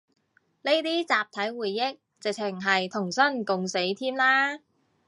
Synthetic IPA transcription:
ne˥jt̪iː˥t͡saː˨p̚t̪ʰɐ˨˥jwuː˨˩jːɪ˥k̚t͡sɪ˨k̚t͡sʰɪ˨˩ŋɦɐ˨jt̪ʰʊ˨˩ŋsɐ˥nkʊ˨ŋse˨˥jt̪ʰiː˥mlaː˥

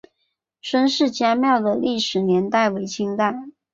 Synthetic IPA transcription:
ʂwə˥nʂɻ̩˥˩t͡ɕja˥mjɑ˥˩ʊd̪ə˩li˥˩ʂɻ̩˨˩njɛ˧˥nt̪a˥˩ɪwe˧˥ɪt͡ɕʰi˥ŋt̪a˥˩ɪ

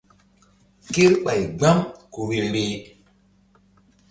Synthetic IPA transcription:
ke˦ɾɓa˨jɡ͡ba˦mku˨we˨ɾɾe˨

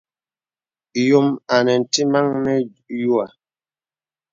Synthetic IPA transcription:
jo˨ma˨nɛ˨n̩˨ti˦ma˦ŋnɛ˦ | ju˦a˨

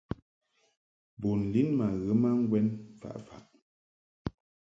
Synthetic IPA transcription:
bo˨n̩˨li˦nma˨ɣə˨˦ma˦ŋ̩˦ɡwɛ˦n˨fa̰˨ʔfa̰˨ʔ

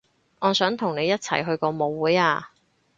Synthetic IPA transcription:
ŋɔː˨˧sœː˨˥ŋt̪ʰʊ˨˩ŋne˨˧jɐ˥t̚t͡sʰɐ̰˨˩jɦɵ˧ɥkɔː˧mo˨˧wːuː˨˥jaː˧

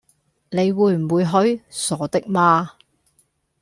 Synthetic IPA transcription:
ne˨˧jwuː˨˧jm̩˨˩wuː˨˧jɦɵ˨˥ɥsɔː˨˥t̪ɪ˥k̚maː˧

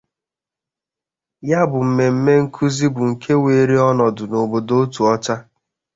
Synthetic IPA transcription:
ja˦bʊ˨m̩˨me˨m̩˦me˦ŋ̩˦kʰu˦zi˦bʊ˨ŋ̩˨kʰe˦we˨ɾi˦ɔ˦nɔ˨dʊ˨no˨bo˨do˦o˦tu˨ɔ˦t͡ʃa˦

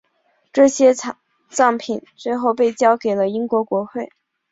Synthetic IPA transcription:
ʈ͡ʂɤ˥˩ɕjɛ˥ | t͡sɑ˥˩ŋpʰi˨˩˦nswe˥˧ɪxo˥˧ʊpe˥˩ɪt͡ɕjɑ˥ʊke˨˩ɪlə˦i˥ŋkwɔ˧˥kwɔ˧˥xwe˥˩ɪ

